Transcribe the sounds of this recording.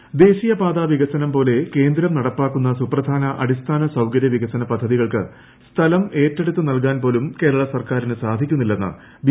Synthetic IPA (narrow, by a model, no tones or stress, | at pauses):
d̪e̞ːɕijɐpaːd̪aːʋiɣɐsɐnɐmpo̞ːle̞ke̞ːnd̪ɾɐmnɐɽɐpːaːkːun̪ːɐsuprɐd̪ʱaːnɐʔɐ̰ɽist̪ʰaːnɐsɐwkɐɾjɐʋiɣɐsɐnɐpɐd̪ʱːɐðiɣɐɭkɨ̰ | st̪ʰɐlɐme̞ːtːeɽut̪ːɨnɐlk̬aːnp̬o̞ːlumke̞ːɾɐɭɐsɐrkaːɾinɨsaːd̪ʱikʲːunːilːenːɨ̰ | ʋ